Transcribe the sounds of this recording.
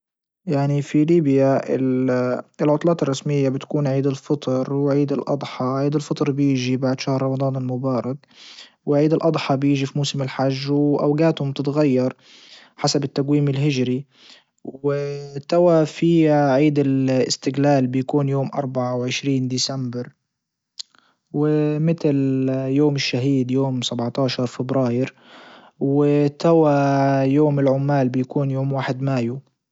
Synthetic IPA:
jaʕnifiliːbjaɪ̰l | ɪlʕʊt̪ˤlɑːt̪ɪrˤːɑsmɪjːabɪt̪kuːnʕiːd̪ɪlfɨt̪ˤɾwʕiːd̪ɪlʔɑ̰d̪ˤħɑʕiːd̪ɪlfɨt̪ˤɾˤbjiːʒibaʕd̪ʃahɾˤɾˤɑmɑd̪ˤɑːnɪlmʊbɑːɾˤɑk | wɪʕiːd̪ɪlʔɑd̪ˤħɑbjiːʒifimuːsɪmɪlħaʒːwʔa̰wɡaːt̪hʊmbt̪ɪt̪ɣajːɑɾˤ | ħasabɪt̪ːaɡwiːmɪlɦɪd͡ʒɾi | wɪt̪awafiːʕiːd̪ɪlɪ̰st̪ɪɡlaːlbɪjakuːnjoːmʔɑ̰ɾˤbaʕawʕɪʃɾiːnd̪iːsambɪɾ | wɪmɪt̪ljoːmɪʃːaɦiːd̪joːmsabʕt̪aːʃɑɾˤfɪbɾaːjɪɾ | wɪt̪awajoːmɪlʕʊmːaːlbɪjakuːnjoːmwaːħɪd̪maːju

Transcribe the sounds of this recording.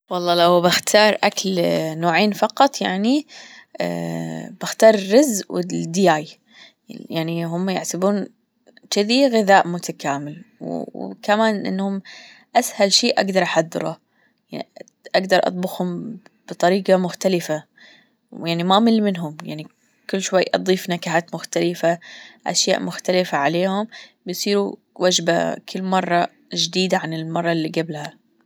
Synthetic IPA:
wɑlˤːɑːlawbɪxt̪ʰɑːɾˤʔaklnoːʕeːnfɑqɑt̪ˤja̰ʕnḭ | b̥ɪxt̪ɑːɾˤrɪzwɪd̪jaːj | jaʕniɦʊmːajɪʕsɪbuːn | t͡ʃɪðiɣɪðaːʔmʊt̪akaːmɪlwkamaːnʔɪ̰nːhʊm | ʔashalʃeːʔaɡd̪ɑɾˤʔaħad̪ːɪ̰ɾṵ | jan | ʔaɡd̪ɑɾˤʔɑ̰t̪̚ˤbʊxhʊm | b̥ɨt̪ˤɑɾiːqɑmʊxt̪alɪfa | jaʕnimamɪlːmɪnɦʊmja̰ʕni | kɪlːʃwajːʔɑ̰d̪ˤiːfnakaħaːt̪mʊxt̪alɪfaʔa̰ʃja̰ːʔmʊxt̪alɪfaʕaleːhʊmbjsˤiːɾu | wad͡ʒba̰kʰɪlːmɑrˤːɑ | d͡ʒd̪iːd̪aʕanɪlmɑrˤːɑlːiɡablha

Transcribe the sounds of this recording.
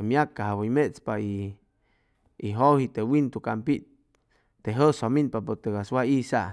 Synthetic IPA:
mjakːahawojmet͡spai | ɦohit̪ewint̪ukampiʔ | t̪eɦəsominpapot̪eɡaswaisa

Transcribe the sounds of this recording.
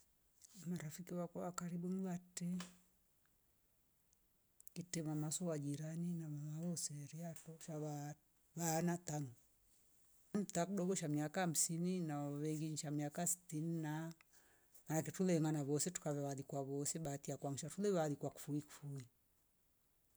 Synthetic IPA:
maɾafikiwakawakaɾiɓumiβatɛ | kitɛmamasɔwad͡ʒiɾaninaβaaɔsɛɾiatɔʃaβa | βanataŋɔ | m̩takuɗɔɡɔʃamiakaham̩sininaβɛŋɡiɲiʃamiakasi̥tinina | manakɛtulɛŋanaβɔsɛtu̥kaβɛβaðikwaβɔsɛɓatiakwaŋiʃatulɛβaðikwaku̥fuiku̥fui

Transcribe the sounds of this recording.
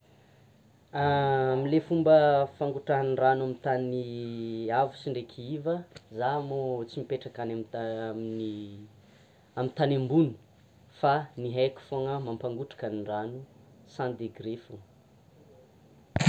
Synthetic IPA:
amilefumbəfaŋɡuʈ͡ʂaniɳranuamit̪ani | avusiɳɖ͡ʐekʲʰivəzamot͡simipeʈ͡ʂakanamiaamini | amit̪anembunu̥ | faniɦajkʲi̥foŋəmampaŋɡuʈ͡ʂḁkaniɳɖ͡ʐanu | sãnd̪eɡɾefu

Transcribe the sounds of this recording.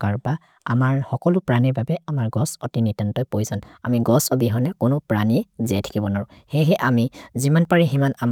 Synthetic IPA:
kaɹba | a̰maɹhɔkɔlʊpɹaniɹbabɛamaɹɡɔsɔtinitantɔjpojsɔna̰miɡɔsɔbiɦɔnɛkʊnʊpɹaniɛzɛtʰḁkibɔnaɹʊ̃ | hɛɦɛʔamizimanpaɹiɦimanam

